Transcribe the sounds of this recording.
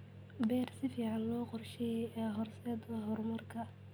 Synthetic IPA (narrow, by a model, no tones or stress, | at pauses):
bɛːrsɪfiːʕɑnlɔːqɔrʃɛjɛɦɔrsɛːd̪ɐɦɔrmɐrkʰɐ